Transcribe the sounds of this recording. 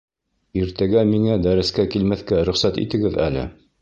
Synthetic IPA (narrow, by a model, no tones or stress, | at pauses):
iɾt̪æɡæmiŋæd̪æɾɘ̆skækilmæθkæɾɵ̆χsæt̪ḭt̪ɘ̆ɡɘðæ̰lɘ̰